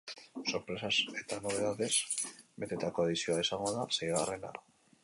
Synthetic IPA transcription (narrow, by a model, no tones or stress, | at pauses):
so̞ɾpɾe̞sase̞t̪ano̞β̞e̞ðaðe̞sbe̞t̪et̪ako̞aðisio̞aesaŋɡo̞ðasejɣa̰re̞na̰ɾ